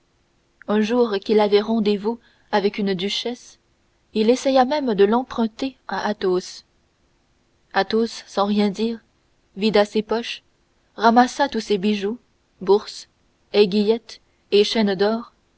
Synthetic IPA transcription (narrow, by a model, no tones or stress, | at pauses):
œ̃ʒuːʁkʲilavɛʁɑ̃d̪evu | avɛkynd̪yʃɛs | ilesɛjamɛmd̪əlɑ̃pχɛ̃t̪eaʔat̪os | at̪osːɑ̃ʁjɛ̃d̪iːʁ | vid̪asepɔʃ | ʁamasat̪usebiʒu | buʁs | ɛɡʲijɛt̪ | eʃɛnd̪ɔːʁ